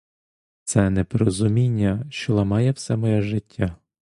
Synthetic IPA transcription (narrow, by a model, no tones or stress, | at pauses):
t̪sɛnɛpɔɾɔzʊmʲinʲːɐʃt͡ʃɔlˠɐmɑjɛwsɛmɔjɛʒɪtʲːa